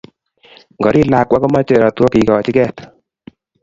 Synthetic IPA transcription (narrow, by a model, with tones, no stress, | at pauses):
ŋɡɔ˨ɾi˦la˨kwa˦kɔ˦ma˦t͡ʃe˦˨ɾa˨twɔ˦ki˨kɔ˨t͡ʃi˦kɛ˦t̪